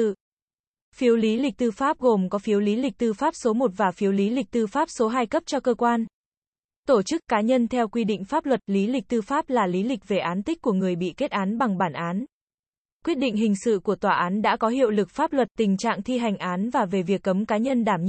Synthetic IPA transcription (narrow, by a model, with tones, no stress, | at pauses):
fi˨˦əwli˨˦lï˨˩k̟̚t̪ɨ˧faː˦˥p̚ɣo˨˩mkɔ˨˦fi˨˦əwli˨˦lï˨˩k̟̚t̪ɨ˧faː˦˥p̚so˨˦mo˨˩t̚vaː˨˩fi˨˦əwli˨˦li˨˩k̚t̪ɨ˧faː˦˥p̚so˨˦ɦaː˧jkə˦˥p̚t͡ɕɔ˧kəː˧kwaː˧n | t̪o˧˩t͡ɕɨ˦˥kːaː˨˦ɲə˧nt̪ʰɛ˧wkwi˧ɗḭ˧˨ŋ̟faː˦˥p̚lwə˨˩t̚li˨˦lï˨˩k̟̚t̪ɨ˧faː˦˥p̚laː˨˩li˨˦lï˨˩k̟̚ve˨˩ʔaː˨˦nt̪ï˦˥k̟̚kːu˧˩əŋɨ˨˩əjɓḭ˧˨ke˦˥t̚ʔaː˨˦nɓa˨˩ŋɓaː˧˩nʔaː˨˦n | kwi˦˥t̚ɗḭ˧˨ŋ̟ɦï˨˩ŋ̟sɨ̰˧˨ku˧˩ət̪waː˨˩ʔaː˨˦nɗa̰ː˧˥kɔ˨˦ɦḭ˧˨əwlɨ˨˩k̚faː˦˥p̚lwə˨˩t̚t̪ï˨˩ŋ̟t͡ɕa̰ː˧˨ŋt̪ʰi˧ɦa˨˩jŋ̟ʔaː˨˦nvaː˨˩ve˨˩vi˨˩əkːə˨˦mkaː˨˦ɲə˧nɗaː˧˩m